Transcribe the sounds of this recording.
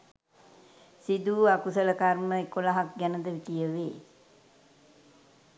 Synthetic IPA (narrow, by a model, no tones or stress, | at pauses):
sid̪uːakusələkarməekolaɦak̚ɡænəd̪əʋikijəʋeː